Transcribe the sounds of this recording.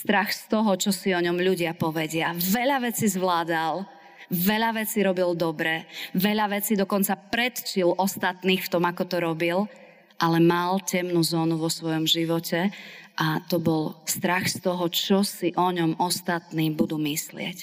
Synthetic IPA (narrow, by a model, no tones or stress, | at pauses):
st̪ɾaxst̪ɔɦɔt͡ʃɔsiɔɲɔmʎuɟɪapɔʋɛɟɪaʋɛʎaʋɛt͡sizʋlaːd̪al | ʋɛʎaʋɛt͡siɾɔbild̪ɔbɾɛʋɛʎaʋɛt͡sid̪ɔkɔnt͡sapɾɛt̪t͡ʃilʔɔst̪at̪niːxft̪ɔmakɔt̪ɔɾɔbil | ʔalɛmalcɛmnuzɔːnuʋɔsʋɔjɔmʒiʋɔcʰɛʔat̪ɔbɔlst̪ɾaxst̪ɔɦɔt͡ʃɔsiʔɔɲɔmɔst̪at̪niːbud̪uːmislɪɛ̰c